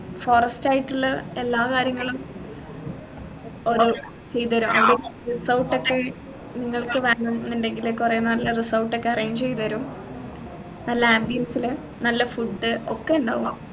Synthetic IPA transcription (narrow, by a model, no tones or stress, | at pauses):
foːrɐstaːjiʈːulːelːaːkaːɾjɐŋːɐɭum | o̞ɾu | t͡ɕe̞jt̪ːʋɐɾumʔɐðilrisɐwʈːo̞kːe̞ | niŋːɐɭkɨʋeːɳumnːinɖe̞ŋɡilekːure̞ːnnɐlːɐrisɐwʈːo̞kːe̞ɐrɐjɐɲmd͡ʑt͡ɕe̞jt̪ʋɐɾum | nɐlːɐaːmbijɐnsilɨ | nɐlːɐfuɖːɨo̞kːe̞uɳɖa̰ːɣum